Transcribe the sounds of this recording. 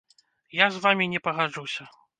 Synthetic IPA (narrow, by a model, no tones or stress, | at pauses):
jazvamʲinʲɛpɐɣad͡ʐusʲɐ